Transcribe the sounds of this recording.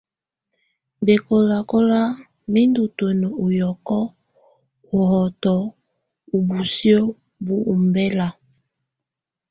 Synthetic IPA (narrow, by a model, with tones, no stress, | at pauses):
be˨ko˨la˨ko˦la˦ | mi˦ndu˨to˨nɔ˨o˨jɔ˨kɔ˦ | o˨hɔ˨tɔ˨ | u˨bu˨si˦o˦ | bu˦ʔu˨mbɛ˦la˨